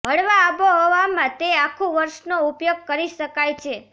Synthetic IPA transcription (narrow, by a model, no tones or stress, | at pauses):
ɦəɽʋaːboɦoʋamãt̪eakʰːũʋəɾʃnoupjoɡ̚kəɾiʃəkajt͡ʃʰe